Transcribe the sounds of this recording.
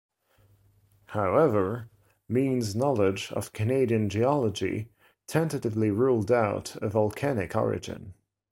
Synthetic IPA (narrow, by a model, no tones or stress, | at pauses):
haʊɛvə˞ | mĩnznɑlˠɪd͡ʒə̰v̥kʰɨneɪɾiə̃nd͡ʒiɑlˠəd͡ʒḭ | tʰɛ̃ntəɾɨvliɹuːlˠdaʊɾəvəlˠkʰænɪkʰɔ̰ɹɪ̰d͡ʒɪ̰̃n